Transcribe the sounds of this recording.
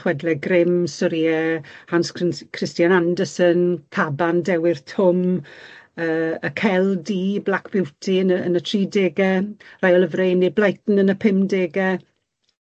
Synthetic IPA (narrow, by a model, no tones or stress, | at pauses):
χwɛdlɛɡrɪmsɔɾiɛhanskkʰrɪstjanandəsənkʰabandɛwɪrtʰʊm | əːəkʰɛlˠdiblakʰb̥ɪwtʰiənəənətʰr̥iːdeːɡɛrajɔlˠəvrejnːiblajtn̩ənəpʰɪmdeːɡɛ